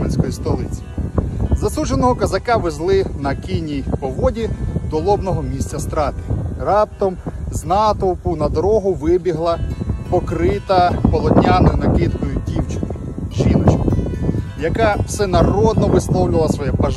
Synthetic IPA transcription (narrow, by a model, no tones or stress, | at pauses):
menʲsʲkɔjist̪ɔlˠɪt͡sʲi̥ | zɐsuʒenɔɦɔkɐzɐkɑʋezlˠɪnɐkʲinʲijpɔʋɔdʲid̪ɔlˠɔbnɔɦɔmʲisʲtʲt͡sʲɐst̪ɾɑt̪ɪ̥rɑp̚t̪ɔmznɑt̪ɔwpʊnɐd̪ɔɾɔɦʊʋɪbʲiɦlˠɐpɔkɾɪt̪ɐpɔlˠɔd̪ʲnʲanɔjnɐkɪt̪kɔjʊdʲiwt͡ʃɪnɪ | ʒinɔt͡ʃkɪ | jɐkɑw̥sɛnɐrɔd̪nɔʋɪslˠɔwlʲɪlˠɐsʋɔjɛpɐʒ